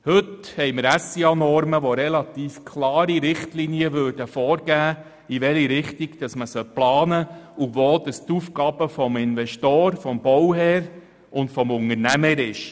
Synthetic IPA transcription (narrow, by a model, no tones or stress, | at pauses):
hɵthɛjməɾæsiɑnɔɾməʋoɾɛlɑt̪iːfkʰlɑːɾiɾɪχtliniəʋøːɾd̥əfɔːɾɡæː | iʋɛliɾɪχtiɡd̥ɑsməsœlplɑːnəuʋoːd̥ɑst̪ufɡ̥ɑːbəfɔmɪnvɛʃtoːɾfɔmbɔwɦɛːɾ | ʔʊntfɔmʊŋəɾnæməɾɪʃ